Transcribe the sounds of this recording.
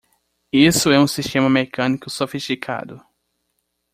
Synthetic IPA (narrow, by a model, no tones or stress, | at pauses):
isʊɛũsiʃt̪ẽmɐmekɐ̃nikʊsofiʃt̪ikʰa̰d̪ʊ